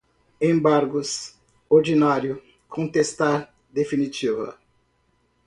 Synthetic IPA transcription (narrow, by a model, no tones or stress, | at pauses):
ẽbaɾɡʊs | oɾd͡ʒinaɾjʊ | kʰõt̪est̪aɾ | d̪efinit͡ʃivɐ̰